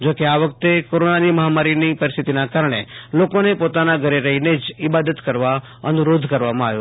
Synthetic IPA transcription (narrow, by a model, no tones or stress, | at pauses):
d͡ʒokeaʋək̚t̪ekoɾonaniməɦamaɾinipəɾist̪ʰit̪inakaɾəɳ̃ḛlokonepot̪anaɡʱəɾeɾəɦined͡ʒɪbad̪ət̪kəɾʋa | ənuɾod̪ʱkəɾʋamãaʋjo